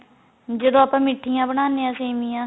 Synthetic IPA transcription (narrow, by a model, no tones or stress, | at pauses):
d͡ʒed̪õːapãːmɪʈʰːiːjãːbəɽaːneːãːseːmijãː